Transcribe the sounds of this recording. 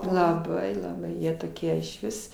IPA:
lˠɐˈbɐɪ lˠɐˈbɐɪ ˈjiɛ toːˈkʲiɛ ɪʃʲˈʋʲɪs

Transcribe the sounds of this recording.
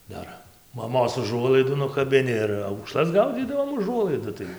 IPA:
ˈdɐr mɐˈmoːs ʊˈʒuɔlˠɐɪduː nʊkɐbʲɪˈnʲɪ ɪr ɐʊkˈʃlˠɐs ˈɡɐʊd͡zʲiːdɐʋoːm ʊˈʒuɔlˠɐɪdʊ tɐɪ

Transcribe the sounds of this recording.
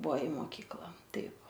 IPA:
ˈbʊʋoː ɪ moːˈkʲiːklˠɐ ˈtɐɪp

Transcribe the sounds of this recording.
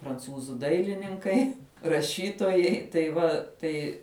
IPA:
prɐnˈt͡suːzuː ˈdɐɪlʲɪnʲɪŋkɐɪ rɐˈʃʲiːtoːjɛɪ tɐɪ ˈʋɐ ˈtɐɪ

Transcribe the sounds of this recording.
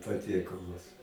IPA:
pɐˈtʲiɛkɐlˠʊs

